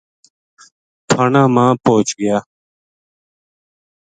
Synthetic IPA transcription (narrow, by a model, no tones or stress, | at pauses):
pʰənãːmãːpoːt͡ʃɡɪjaː